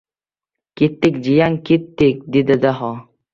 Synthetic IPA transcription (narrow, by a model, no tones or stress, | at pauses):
kit̪ːik̚d͡ʒijaŋkit̪ːik̚d̪id̪əd̪aɦɔ